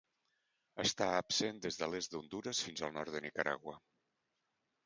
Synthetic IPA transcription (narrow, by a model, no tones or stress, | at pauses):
əst̪aəpsend̪ezðəlezðund̪uɾəsfinzəlˠnɔɾt̪d̪ənikəɾa̰ɣwə